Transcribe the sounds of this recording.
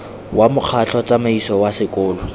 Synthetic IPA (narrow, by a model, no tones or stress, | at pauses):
wʔamʊq͡χʰat͡ɬʰɔt͡sʼamaisɔwasɪkʊːlɔ